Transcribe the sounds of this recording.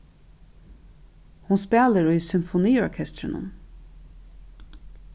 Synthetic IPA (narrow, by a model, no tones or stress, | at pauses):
hʊnspeːləɹoisʏmfʊniːɔɹkʰɛst̪ɹənə̰n